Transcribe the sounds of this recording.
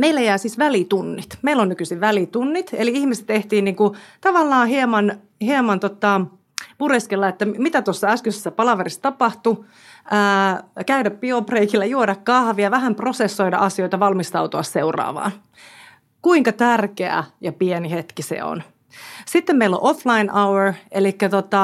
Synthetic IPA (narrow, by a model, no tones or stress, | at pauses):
meilːæjæːsiːsʋælit̪unːit̪meilːonnykysiʋʋælit̪unːit̪eliihmisĕ̥t̪t̪eht̪iːnniːŋkut̪ɑʋɑlːɑːhiemɑn | hiemɑnt̪ot̪ːɑ | pureskelːɑet̪ːæmit̪æt̪uosːɑæskøsesːæpɑlɑʋeɾist̪ɑpɑht̪u | ʔəːkæydæppiopreikilːæjuodɑkkɑhʋiɑʋæɦæmpro̞sesːo̞jdɑ̰ʔɑsioit̪ɑʋɑlmist̪ɑut̪oɑsseurɑ̰ːʋɑ̰ːn | kuiŋkɑt̪ærkeæ̰jɑpienihet̪kisḛo̰n | sit̪ːemmeilo̰ʔoflɑinʔɑwerelikːæt̪ot̪ɑ